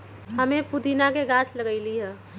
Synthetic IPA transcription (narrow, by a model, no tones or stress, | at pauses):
ɦəmẽpud̪inakeɡat͡ʃʰləɡəɪliɦɛ̃